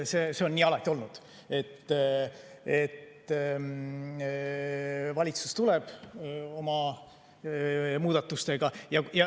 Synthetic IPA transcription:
se̞ːse̞o̞nːiːɑlɑt̪ʲːˑio̞lnud̪̥ | e̞t̪ː | et̪ː | vɑlʲit̪sust̪uleb̥o̞mɑ | muːd̪̥ɑt̪ːust̪e̞ɡ̥ɑjɑjɑ

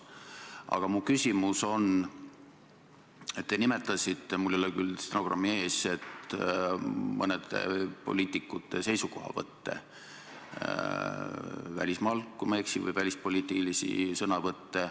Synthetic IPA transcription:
ʔɑ̰ɡ̥ɑmukysʲimuso̞n | e̞t̪ːenime̞t̪ːˑɑsit̪ːe̞mulːolːekylst̪noɡ̥rʔɑ̰mːie̞ːse̞t̪ | mɤned̪̥e̞̰po̞̰lʲiːt̪ʲːˑikːˑut̪ːˑe̞se̞jsuko̞ɦɑ̰vɤ̰t̪ːe̞̰ | væ̰lʲismɑlkːˑumeksivɤ̰jvælʲispo̞lʲiːt̪ːˑilisḭsɤnɑvɤt̪ːe̞

